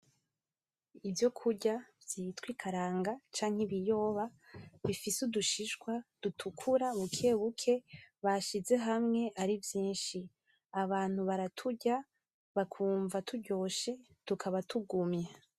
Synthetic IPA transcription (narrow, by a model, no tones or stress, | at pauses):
ivjo̞kʰuɾɟavjitwikʰaɾaːŋɡat͡ʃaːŋ̥hiβijo̞ːβaβifisuduʃiʃɡwad̥utʰukʰuɾaβukʰe̞βukʰe̞βaʃize̞ɦamŋe̞ʔaɾivjiːnʃi | aβaːn̥huβaɾatʰuɟa | βakʰuːɱvatuɟo̞ʃe̞ | tukʰaβatuɡumɲe